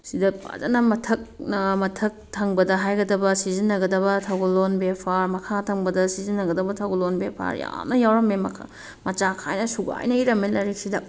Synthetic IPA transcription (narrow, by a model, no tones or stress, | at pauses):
sidɐa̰zɐ̰nɐmɐtʰɐk̚nɐmɐtʰɐk̚tʰɐŋbɐdɐɦajɡɐdɐbɐsizinːɐɡɐdɐbɐtʰɐɡolonbepʰaɾmɐkʰatʰɐŋbɐdɐsizinːɐɡɐdɐbɐtʰɐwɡolonbepʰa̰ɾja̰mnɐjawɾɐmemɐ | mɐt͡ʃakʰajnɐsuɡa̰jnɐiɾɐmːelɐɾik̚sidɐ